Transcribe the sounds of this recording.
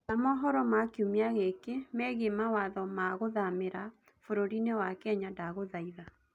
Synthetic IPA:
namɔɦɔɾɔmakeumeaɣekemɛɣemawaðɔmaɣoðameɾa | foɾoɾinewakɛɲadaɣoðaiða

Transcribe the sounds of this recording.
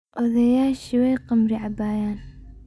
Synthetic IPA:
ʔɔðɐjaːʃɪwɛjqɑmɾiʕabaːjaːn

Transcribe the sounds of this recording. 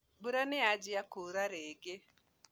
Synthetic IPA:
buɾanead͡ʒɪakoɾaɾeɡe

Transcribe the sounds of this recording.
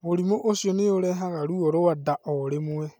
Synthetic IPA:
oɾimoʔoʃjoneoɾɛɦaɣaɾuoɾowadaʔoɾeme

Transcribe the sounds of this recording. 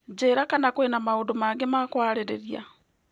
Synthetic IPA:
d͡ʒeːɾakanakwenamaodomaɡemakwaːɾeɾeɾia̰

